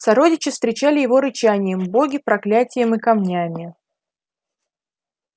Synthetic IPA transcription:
sɐɾo̞dʲɪt͡ɕɪfst̪ɾʲɪt͡ɕælʲɪjɪvo̞ɾɨt͡ɕænʲɪjəmbo̞ɡʲɪpɾɐklʲætʲɪjəmɨkɐmnʲamʲɪ

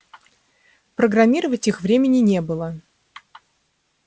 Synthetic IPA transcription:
pɾəɡɾɐmʲiɾəvətʲixvɾʲemʲɪnʲɪnʲe̞bɨlˠə

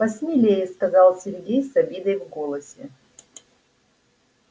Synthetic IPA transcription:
pɐsʲmʲilʲejɪskɐzɑlˠsʲɪrɡʲejsɐbʲid̪əjvɡolˠəsʲɪ

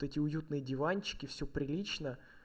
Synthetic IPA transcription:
t̪ɛtʲɪʊjut̪nɨjədʲɪvanʲt͡ɕːɪ̥kʲɪfsʲopɾʲɪlʲit͡ɕnə

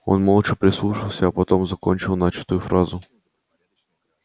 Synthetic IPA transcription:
o̞̰nmolˠt͡ʂɨpɾʲɪslˠuʂɨlˠsʲəːpɐt̪o̞mzɐko̞nʲt͡ɕɪlˠnat͡ɕɪ̥t̪ʊjʊfɾazʊ

